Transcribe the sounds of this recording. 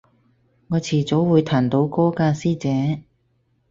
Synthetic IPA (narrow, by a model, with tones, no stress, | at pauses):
ŋɔː˨˧t͡sʰiː˨˩t͡so˨˥wwuː˨˧jt̪ʰaː˨˩nt̪o˨˧˥wkɔː˥kaː˧siː˥t͡sɛː˨˥